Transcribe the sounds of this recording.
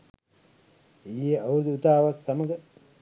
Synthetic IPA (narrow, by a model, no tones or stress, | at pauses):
ejeawɾud̪uut̪aːʋasːaməɡə